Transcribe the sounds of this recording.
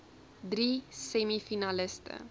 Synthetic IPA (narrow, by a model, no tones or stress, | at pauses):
d̪ɾisemifinalest̪ə̰